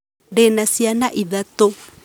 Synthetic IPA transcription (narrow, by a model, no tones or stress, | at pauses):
ɖenasianaʔiðat̪o